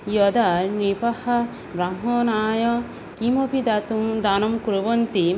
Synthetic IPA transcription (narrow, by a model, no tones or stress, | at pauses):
jɔd̪anipɐhɐ | bɾamɦɔːnaːjɔ | kimopid̪at̪ud̪aːnɐmkuɾubɔnt̪i